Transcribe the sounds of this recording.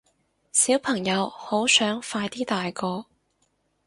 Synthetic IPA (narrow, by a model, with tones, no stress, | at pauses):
siː˨˥wpʰɐ˨˩ŋjɐ˨˧who˨˥wsœː˨˥ŋfaː˧jt̪iː˥t̪aː˨jkɔː˧